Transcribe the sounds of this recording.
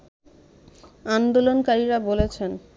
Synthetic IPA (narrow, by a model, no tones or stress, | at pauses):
and̪olonkaɾiɾabolet͡ɕʰen